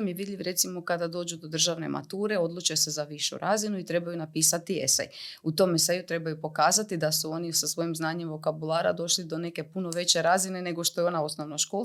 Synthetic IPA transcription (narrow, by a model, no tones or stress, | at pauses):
mjeʋid̪ʎʲiʋɾe̞t̪simo̞kad̪ad̪o̞ːd͡ʑud̪o̞d̪r̩ʒaʋne̞̰mʔa̰t̪uːɾe̞o̞d̪lˠut͡ʃe̞se̞zaʋiʃṵɾʔaːzinuit̪ɾe̞bajunapiːsat̪iḛsḛjut̪o̞mesejut̪ɾe̞bajupo̞kaːzat̪id̪asuo̞nisasʋo̞jimznaːɲemvo̞kabulˠaːɾa̰d̪o̞ʃlid̪o̞ne̞ke̞puno̞ʋe̞t͡ɕe̞ɾaːzine̞ne̞ɡo̞ʃt̪o̞jeo̞nao̞snoʋnoʃko